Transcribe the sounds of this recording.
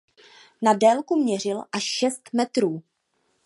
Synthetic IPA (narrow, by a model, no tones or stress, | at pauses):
nadɛːlkumɲɛr̝ɪlʔaʃʃɛst̪mɛt̪ɾuː